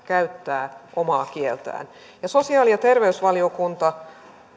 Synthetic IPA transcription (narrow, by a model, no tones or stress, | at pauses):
kæyt̪ːæːʔomɑːkielt̪æ̰ːn | jɑso̞siɑːlijɑt̪erʋeysʋɑliokunt̪ɑ